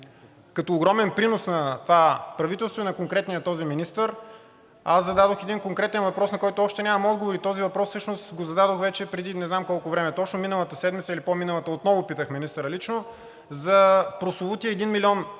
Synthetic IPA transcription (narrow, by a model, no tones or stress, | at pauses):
kɐt̪oːɡɾɔmɛnpɾinosnɐt̪vapɾɐvit̪ɛlˠst̪vʊinɐkoŋkɾɛt̪nijət̪ɔziminist̪əɾ | aszɐd̪ad̪oxɛd̪inkoŋkɾɛt̪ɛnvɐpɾɔsnɐkɔjt̪ʊɔʃt̪ɛnʲamɐmɔd̪ɡovoɾit̪ɔzivɐpɾɔsːɤʃnost̪ɡozɐd̪ad̪oxvɛt͡ʃɛpɾɛd̪inɛznamkɔlˠkovɾɛmɛt̪ɔt͡ʃnominəlˠət̪əsɛd̪mit̪səilipominəlˠət̪əot̪nɔvʊpit̪əxminist̪əɾəlit͡ʃno | zɐpɾosʊvˠut̪iɛːd̪inmilʲiɔn